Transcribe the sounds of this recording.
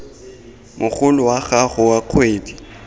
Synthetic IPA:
mʔʊχʊlʊwaχaχʊwaq͡χʰweːdi̥

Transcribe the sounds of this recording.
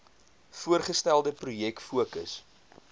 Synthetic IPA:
fuərχəstælˠdəprujɛkfuəkə̰s

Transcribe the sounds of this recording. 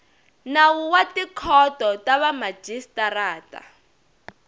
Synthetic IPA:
nawuwatikʰɔtɔtaβamḁd͡ʒistaraːta̰

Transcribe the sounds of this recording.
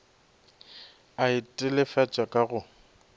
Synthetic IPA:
aɪtʼɪlɪfat͡ʃʼakʼaɣʊ

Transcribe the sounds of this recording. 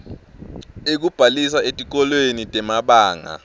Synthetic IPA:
ek̬ub̥ʱalisaetʼik̬ɔlwenitʼɛmaɓaːŋa̰

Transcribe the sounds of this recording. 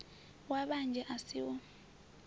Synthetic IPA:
waɓand͡ʒʱɛʔasiwɔ

